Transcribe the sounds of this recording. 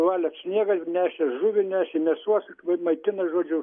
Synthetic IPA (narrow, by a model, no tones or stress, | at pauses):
ʋɑːlʲɛt̪sʲnʲiɛɡɐnʲæːʃʲɛʒʊʋʲɪnʲæːʃʲɛmʲɛsuɔsɐmɐɪt̪ʲɪnɐʒuɔd͡ʒʲʊ